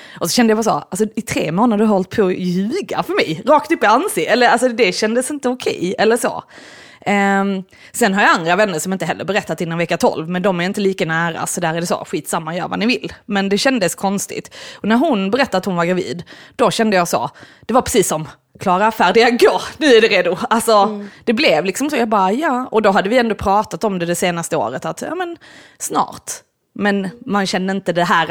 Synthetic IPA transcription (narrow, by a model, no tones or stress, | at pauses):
ʔɔsɔɕɛnd̪əjabaːso̰als̬ɔɪt̪ʰɾḛːmoːnad̪əɦɔlt̪̚pʰɔjʉ̟ːɡa̰fœɾmɛjɾɑːkt̪ɵpːɔansɪɛlːəɾals̬ɔd̪ɛɕɛnd̪əsɪnt̪əʊkʰɛ̰jɛlːəʂo̰ː | sɛnɦaɾjaand̪ɾavɛnːəʂɔmɪnt̪əɦɛlːə̰ɾbɛɾɛt̪ːat̪ɪnːɔnvɛkːat̪ʰɔ̰lvmɛnd̪ɔmæɾɪnt̪əliːkanæːɾa̰sɔd̪æːɾæɖɛso̰ɧiːt̪samːajœ̰ːɾva̰nɪvɪlːmɛnd̪ɛɕɛnd̪əskʰɔnst̪ɪ̰t̪ɔnæɾɦʊnbɛɾɛt̪ːaɾat̪hʊnvaɡɾavḭːd̪d̪̥ɔɕɛnd̪əjɑso̰d̪̥ɛvaɾpʰɾɛsiːsːɔm | kʰlɑːɾafæːɖɪɡaɡoːnʉ̟ːæɖɛɾeːd̪ʊalsɔd̪̥ɛblɛvlɪksɔmsoːjɑːɡbɑːɾajɑːɔd̪ɔɦad̪ːəvɪɛnd̪ɔpʰɾɑːt̪at̪ɔmd̪ɛd̪ɛseːnast̪əo̰ːɾət̪at̪jɑ̰ːmənsnɑ̰ːɾt̪ | mɛnmanɕɛnːəɪnt̪əd̪ɛɦæːɾ